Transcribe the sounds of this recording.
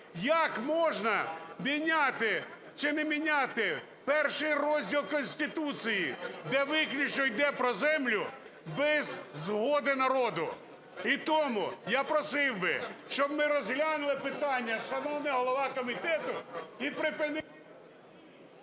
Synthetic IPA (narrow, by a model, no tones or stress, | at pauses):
jɐkmɔʒnɐmʲinʲat̪ɪ | t͡ʃɪnɛmʲinʲat̪ɪ | pɛrʃɪjrɔzʲdʲilˠkɔnʲsʲt̪ʲɪt̪ut͡sʲijid̪ɛʋɪklʲit͡ʃɔjd̪ɛpɾɔzɛmlʲʊ | bɛzːɦɔd̪ɪnɐɾɔd̪ʊ | it̪ɔmʊjapɾɔsɪwbɪ̰ʃt͡ʃɔb̚mɪɾɔzɦlʲanʊlˠɪpɪt̪ɑnʲːɐʃɐnɔwnɪɦɔlˠɔʋɑkɔmʲit̪ɛt̪ʊipɾɪpɪn